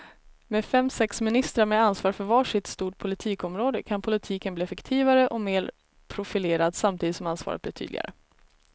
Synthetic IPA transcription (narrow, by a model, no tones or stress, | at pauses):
meːfɛmːsɛksmɪnɪst̪ɾaɾmɛansvɑːɾfœɾvɑːʂɪt̪st̪uːʈ̚pʰʊlɪt̪ʰiːkɔmɾoːd̪əkʰanpʰʊlɪt̪ʰiːkənbliːɛfɛkt̪ʰiːvaɾəʔɔmeːɾ | pʰɾʊfɪleːɾad̪samt̪ʰiːd̪t̪sɔmansvɑ̰ːɾət̪̚blɪ̰ːt̪ʰy̰d̪lɪ̰ɡa̰ɾʔə̰